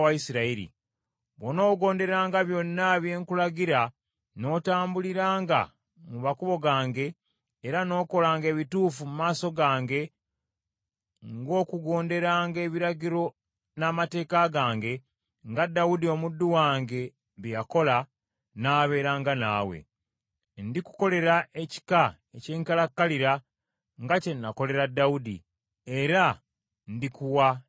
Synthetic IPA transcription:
waisiɾaiɾḭ | βono̞ːɡo̞ːnde̞aːŋɡaβjo̞nːaβje̞ːŋkulaɡiɾa | no̞ːtaːmbuliɾaːŋɡa̰ | mumakuβo̞ɡaːŋɡe̞ː | ɾano̞ːko̞laːŋɡe̞ːβituːfumumaːso̞ɡaːŋɡe̞ | ŋɡo̞ːkuɡo̞ːnde̞ɾaːŋɡe̞ːβiɾaɡiɾo̞ | namate̞ːkaɡaːŋɡe̞ | ŋɡadːaudio̞mudːuwaːŋɡe̞ | βijako̞la | naːβe̞ːɾaːŋɡana̰ːwe̞̰ | ndiku̥ko̞le̞ɾaʔe̞ci̥ka | eceːŋkalakːaliɾa | ŋɡace̞nːako̞le̞ɾadːaudḭ | e̞ɾa | ndikuwa

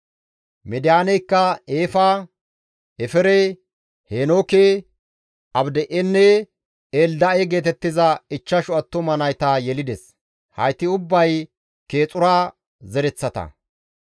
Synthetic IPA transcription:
mɛd̪ɪjaːnɛjkːɐeːfaː | ɛfɛɾɛ | heːnoːke | ɐbd̪ɛʔɛnːɛ | eːld̪ɐeɡe̞ːt̪ɛt̪ːɪzɐɪt͡ʃːɐʃʊɐt̪ːʊmɐnɐjt̪ajɛlɪd̪ɛs | hɐ̰jt̪ːɪʊbːɐj | ke̞ːt͡sʼʊɾaː | zɛɾɛt͡sːɐt̪ɐ̰

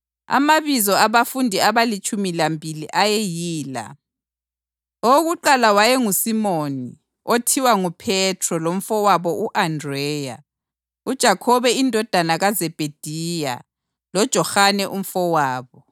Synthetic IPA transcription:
a̰maβizɔaβafundʱiaβalit͡ʃʼumilambʱiliʔajɛjiːla̰ | oɣuǃalawajɛŋusimoni | otʰiwaŋupʰɛtʰrɔlom̩fɔwaβɔʔuʔandrɛja̰ | ud̥ʒ̥ʱakʰɔβɛindʱɔd̥ʱanaɣazɛb̥ʱed̥ʱija̰ | lɔd̥ʒ̥ʱɔxanɛʔum̩fɔwaːβɔ

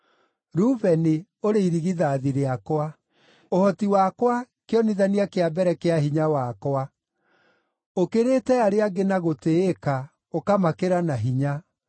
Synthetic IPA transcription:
ɾuvɛne | oɾeiɾiɣiðaðiɾeakwa | ohɔtiwakwa | keɔniðaniakeabɛɾɛkeaɦiɲawakwa | okeɾetɛaɾeaɡenaɣoteːka | okamakeɾanaɦiɲa

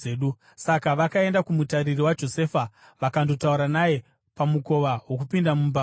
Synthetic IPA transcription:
ɗu | sakaʋakae̞ndakumutaɾiriwad͡ʒo̞se̞ːfa | ʋakando̞tauɾanaje̞ | pamuko̞ʋawokupindamumba

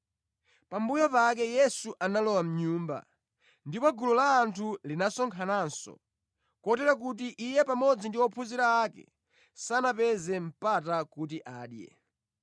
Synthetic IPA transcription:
pambujɔpak̬ɛjɛsuʔanalɔwam̩ɲuːmba̰ | ndipɔɡulɔlaːntʰulinasɔŋkʰanansɔ̰ | kɔtɛɾak̬ut̬iʔijɛpamɔd͡zindiwɔpʰuziɾaːkɛ̰ | sanapɛzɛm̩patakut̬iʔaːɗjɛ̰

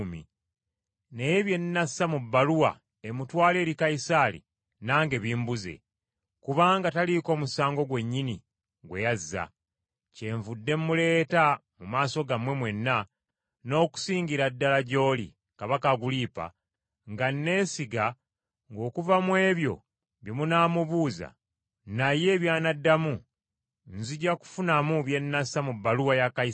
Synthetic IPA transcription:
mḭ | neβje̞nːasamubːaluwa̰ | emutwaːle̞ːɾikaisaːlḭ | naːŋɡe̞βiːmbuze̞̰ | kuβaːŋɡataliko̞ːmusaːŋɡo̞ɡwe̞ɲːini | ɡwe̞jazːa̰ | ce̞ɱvudːe̞mːule̞ːtamumaːso̞ɡamwe̞mwe̞nːa | no̞ːku̥siːɲɟiɾadːalaɟo̞ːlḭ | kaβakaɡuliːpa̰ | ŋɡanːe̞ːnsiɡa | ŋɡo̞ːkuvamwe̞ːβjo̞̰ | βjomunaːmuβuːza̰ | naje̞βjaːnadːamu | nziɟaku̥funamuβje̞nːasamubːaluwajakais

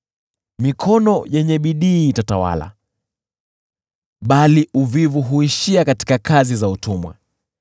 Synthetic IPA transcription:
mikʰɔnɔjɛɲɛɓiɗiːtatawa̰la̰ | ɓaliʔuvivuɦuiʃiakati̥kakazizautumwa̰

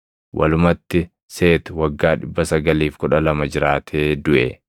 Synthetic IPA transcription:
wʔɐ̰lʊmɐt̪ːɪ | se̞ːt̪ɪwɐɡːaːᶑɪbːɐsɐɡɐliːfkʊᶑɐlɐmɐd͡ʒɪɾaːt̪ʰeːd̪ʊʔɛ̰

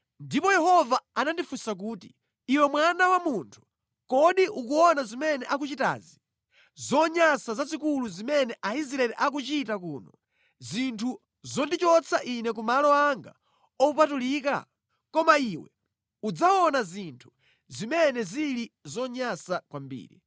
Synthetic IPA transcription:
ndipɔjɛhɔvaanandifusak̬uːti | iwɛmwanawamuntʰu̥ | kɔɗiʔukuɔnazimɛnɛʔak̬ut͡ʃita̰ːzi | zɔɲasazazikuluzimɛnɛʔaisɾaɛlɛʔak̬ut͡ʃitakuːnɔ | zintʰu | zɔndit͡ʃɔt͡sʰaʔinɛk̬umalɔaŋɡa̰ | ɔupatuliːk̬a̰ | kɔmaiwɛ̰ | ud͡zaɔnazintʰu̥ | zimɛnɛzilizɔɲasakwambḭːɾḭ

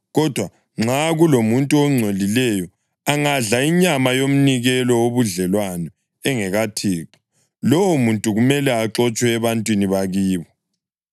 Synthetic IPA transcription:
ɣɔd̥ʱwa | ŋ͡ǁaɣulomuntʼuɔŋ͡ǀʱolilɛjɔ | aŋaɮaiɲamajom̩niɣɛlɔwoβuɮɛlwanɔ | ɛŋɛɣatʰiːǁɔ̥ | lɔwɔmuntʼuɣumɛlɛaǁɔt͡ʃʼwɛːβantʼwiniβaɣiːβɔ

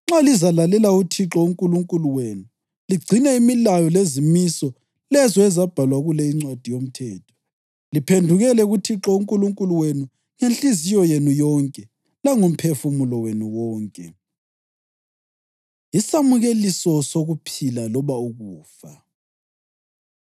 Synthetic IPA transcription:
ŋ͡ǁalizalalɛlautʰiǁɔuŋkʼuluŋkʼuluwenu | liɡ͡ǀʱinɛimilajɔlezimisɔ | lɛzɔɛzab̥ʱalwaɣulɛiŋ͡ǀwad̥ʱijom̩tʰɛːtʰɔ̥ | lipʰendʱuɣɛlɛɣutʰiǁɔuŋkʼuluŋkʼuluwenu | ŋent͡ɬʼizijɔjenujɔŋkʼɛ | laŋum̩pʰefumulɔwenuwɔːŋkʼɛ̰ | isamuɣelisɔsoɣupʰilalɔβauɣuːfa

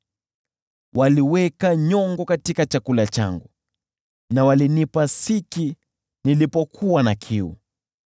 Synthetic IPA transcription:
wʔaliwɛkaɲɔŋɡɔkatikat͡ʃakulat͡ʃa̰ŋɡu | nawalinipasiki | nilipɔkʰuwanakʰiṵ

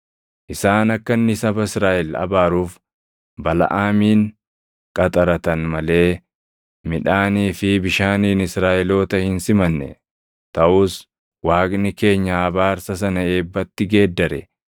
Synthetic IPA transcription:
ʔɪsaːnɐkːɐnːɪsɐbɐɪsɾaːʔɛlɐ̰baːɾuːf | bɐlɐ̰ʔaːmiːn | kʼɐt̪ʼɐɾɐt̪ɐnmɐle̞ː | mɪᶑaːniːfɪbɪʃaːniːnɪsɾaːʔɪlo̞ːt̪ɐhɪnsɪmɐnːɛ̰ | t̪ɐʔuːs | waːknɪke̞ːɲːɐɐbaːɾsɐsɐnɐe̞ːbːɐt̪ːɪɡe̞ːd̪ːɐɾɛ

